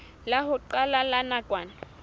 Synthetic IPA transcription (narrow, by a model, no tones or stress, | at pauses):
laɦʊǃalalanakʼwaːna